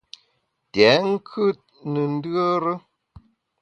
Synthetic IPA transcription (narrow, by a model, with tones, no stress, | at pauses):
tɛ˨˦ŋ̩˦kʰɨ˦t̚ | nə˨n̩˦də˦ɾə˦